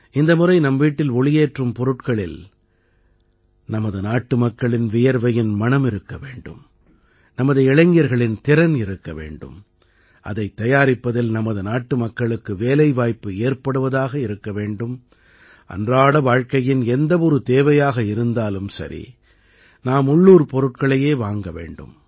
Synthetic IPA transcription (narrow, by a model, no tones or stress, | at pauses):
ɪnd̪ɐmɯrɐɪnɐmʋiːʈːɪlɔɭɪjeːʈrɯmpɔɾɯʈkɐɭɪl | nɐmɐðɯnaːʈːɯmɐkːɐɭɪnʋɪjɐɾʋɐjɪnmɐɳɐmɪɾɯkːɐʋeːɳɖɯ̰m | nɐmɐðɯɛɻɐŋɡɪjɐɾɣɐɭɪnt̪ɪɾɐnɪɾɯkːɐʋḛːɳɖɯ̰m | ʔɐ̰ðɐɪt̪ːɐjaːɾɪpːɐðɪlnɐmɐðɯnaːʈːɯmɐkːɐɭɯkːɯʋeːlɐɪʋaːjpːɯeːɾpɐɽɯʋɐðaːɣɐɪɾɯkːɐʋeːɳɖɯm | ʔɐ̰ndraːɽɐʋaːɻkɐjɪnɛnd̪ɐʋɔɾɯt̪eːʋɐjaːɣɐɪɾɯnd̪aːlɯmsɐ̰ɾʔḭ | naːmʊɭːuːɾpɔɾɯʈ̚kɐɭɐjeːʋaːŋɡɐʋḛːɳɖɯ̰m